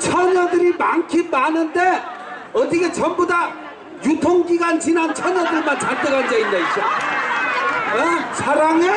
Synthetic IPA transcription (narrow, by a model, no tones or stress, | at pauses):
t͡sʰʌnʌd̪ɾibʱaŋkʰibanʌnt̪e | ʌt̪iket͡sʰʌmbud̪a | jut̪ʰoŋkikant͡sʰinant͡sʰʌnʌd̪ɾimat͡sʰad̪ɯkand͡zajnd̪ajsʰa | t͡sʰaɾaŋe